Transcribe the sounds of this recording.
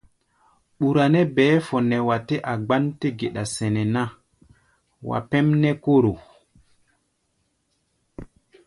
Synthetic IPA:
ɓu˨ɾa˨nɛ˦bɛː˦fɔ˨nɛ˨wa˨tɛ˦ʔa˨ɡ͡ba˦nti˦ɡe˨ɗa˨sɛ˨nɛ˨na˦ | wa̰˨pɛ˦mnɛ˦ko˦ɾo˨

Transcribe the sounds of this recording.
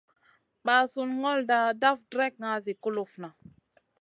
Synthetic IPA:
ɓa˨su˦nŋɔ˦lda˨da˦fdɾɛ˦k̚ŋa˨˦zi˨ku˦lu˨fna˨

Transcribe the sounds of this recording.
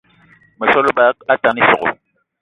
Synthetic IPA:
mɪ˨sɔ˦lʊ˦ba˦ka˦ta˨ni˦sʊ˨ɣʊ̰˨

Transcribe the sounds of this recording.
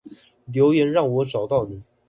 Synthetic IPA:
ljo˧˥ʊjɛ˧˥nɻɑ˥˩ŋwɔ˧˥ʈ͡ʂɑ˨˩ʊt̪ɑ˥˩ʊni˨˩˦

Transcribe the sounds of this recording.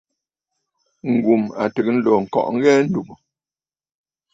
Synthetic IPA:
ŋ̩˨ɡu˨ma̰˨tə˨k̚n̩˦lo˨ŋ̩˨kɔ̰˨ʔŋ̩˦ɣɛ˦n̩˦du˨mu˨

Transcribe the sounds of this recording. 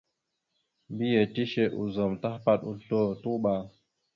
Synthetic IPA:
mbi˦je˨ti˦ʃe˦ʔṵ˨zɔ˨mta˦hpa˦tu˨ɬo˦˨tu˦ɓa˨ŋ

